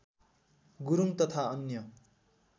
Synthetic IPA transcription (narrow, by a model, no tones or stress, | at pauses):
ɡuɾuŋt̪ʌt̪ʰaʌnːjʌ